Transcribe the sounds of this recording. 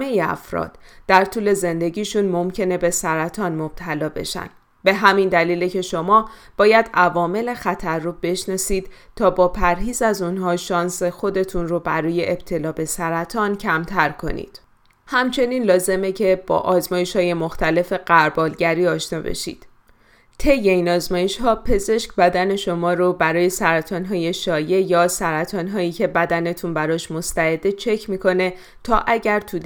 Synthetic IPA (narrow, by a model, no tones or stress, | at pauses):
hmejeæ̰fɾɒ̰ːd̪̥d̪̥æɾt̪ʰuːle̞ze̞nd̪e̞ɟiːʃunmo̞mcʰe̞ne̞be̞sæɾæt̪ʰɒːnmob̥̚t̪ʰælɒːbe̞̰ʃæ̰n | be̞ɦæmind̪æliːlecʰe̞ʃo̞mɒː | b̥ɒːjæd̪ævɒːme̞le̞xæt̪ʰærːobe̞ʃnɒːsiːd̪̥ | t̪ʰɒːbɒːpʰæɾɦiːzæzunɦɒːʃɒːnse̞xo̞d̪e̞t̪ʰunrobæɾɔːje̞ʔeb̥̚t̪ʰe̞lɒːbe̞sæɾæt̪ʰɒːncʰæmt̪ʰæɾkʰo̞̰nḭːd̪̥ | hæmt͡ʃʰe̞niːnlɒːze̞me̞cʰe̞b̥ɒ̰ːʔɒːzmɒːje̞ʃhɒːje̞mo̞xt̪æle̞fe̞ɢ̥æɾbɒːlɟæɾiːɒːʃnɒ̰ːbḛʃḭːd̪̥ | t̪ʰe̞jːe̞iːnɒːzmɒːje̞ʃhɒːpʰe̞ze̞ʃkbæd̪æne̞ʃo̞mɒːɾobæɾɒːje̞sæɾæt̪ʰɒːnɦɒːje̞ʃɒːje̞jɒːsæɾæt̪ʰɒːnɦɒːiːkcʰe̞bæd̪æne̞t̪ʰunbæɾɒːʃmost̪æed̪e̞t͡ʃʰe̞cʰmiko̞ne̞ | t̪ʰɒːʔæɟæɾt̪ʰud̪